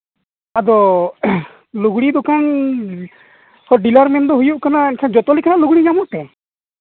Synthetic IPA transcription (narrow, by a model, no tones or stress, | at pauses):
ad̪ɔ | luɡɽid̪ukʰan | hɔɖilaɾmɛnd̪ɔɦujuʔkanaɛnkʰand͡ʒɔt̪ɔlikʰanaʔluɡɽiɲamɔʔt̪ɛ